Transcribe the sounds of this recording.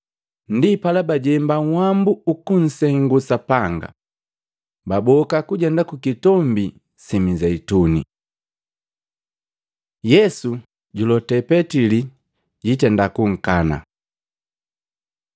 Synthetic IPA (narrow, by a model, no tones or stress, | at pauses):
n̩dipalabaɟɛmbaŋ̩wambuukun̩sɛŋɡusapaŋɡa̰ | babɔkakuɟɛndakukitɔmbi | simizɛitunḭ | jɛsu | ɟulɔtɛpɛtili | ɟitɛndakuŋ̩kana̰